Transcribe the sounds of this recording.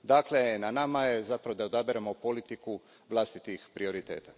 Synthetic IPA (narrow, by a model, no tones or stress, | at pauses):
d̪aːkle̞nanamajezapɾaʋo̞d̪aod̪abeɾemo̞po̞lit̪iku | ʋlˠast̪it̪ixpɾio̞ɾit̪e̞̰ːt̪a